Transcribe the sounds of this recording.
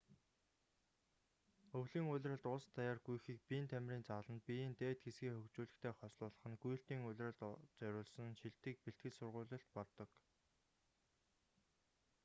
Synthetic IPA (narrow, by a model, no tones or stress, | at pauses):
ɵwɮiːŋʊɮʲrə̆t̪ʊɮst̪ʰajaːrɡujxiːk̚pint̪ʰæmʲriːnt͡saɮə̆npijiːnt̪eːt̪̚ɡesɡiːŋxɵkt͡ɕuːɮɘ̆xt̪ʰeːχɔsɮʊːɮə̆χə̆nɡuj̆ɬt̪iːŋʊɮʲrə̆ɮt̪t͡sœɾʲʊːɮsə̆nʃiɮt̪ɘ̆k̚peɬt̪̚ɡɘ̆ɮsʊrʁʊːɮə̆ɬt̪̚pɔt̪ːɞ̆k